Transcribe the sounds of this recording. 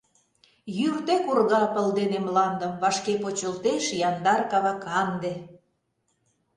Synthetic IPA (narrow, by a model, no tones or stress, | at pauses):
jyrt̪ekurɣɑpə̆ld̪enemlɑnd̪ə̆mβɑʃkepot͡ɕəlt̪eʃjɑnd̪ɑrkɑβɑkɑnd̪ĕ